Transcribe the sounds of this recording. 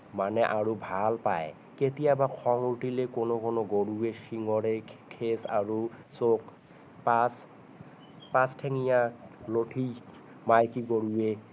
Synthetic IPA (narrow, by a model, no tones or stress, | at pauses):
manɛʔaɹubʱalpaj | ketijabakʰɔŋuʈilekonokɔnoɡoɹuesiŋɔɹekʰesa̰ɹu | sok | pas | pãstʰeŋijaloʈʰi | majkiɡoɹue